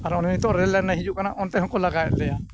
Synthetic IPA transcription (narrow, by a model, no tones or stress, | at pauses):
aɾɔnɛnit̪ɔʔɾɛlːaɡnaɦid͡ʒuʔkanaʔɔnt̪ɛɦɔ̃kɔlaɡajt̪̚ˀlɛja